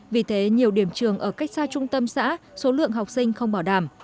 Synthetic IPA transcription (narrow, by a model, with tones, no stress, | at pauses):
vi˨˩t̪ʰe˨˦ɲi˨˩əwɗi˧˩əmt͡ɕɨ˨˩əŋʔəː˧˩ka˦˥jk̟̚saː˧t͡ɕʊ˧ŋ͡mt̪ə˧msa̰ː˧˥so˨˦lɨ̰˧˨əŋɦa˨˩wk͡p̚sï˧ŋ̟xə˧wŋ͡mɓaː˧˩wɗaː˧˩m